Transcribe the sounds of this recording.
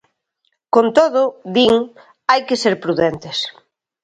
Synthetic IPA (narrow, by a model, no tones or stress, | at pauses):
kont̪oðʊðiŋ | ajkɪseɾpɾuðɛnt̪ɪs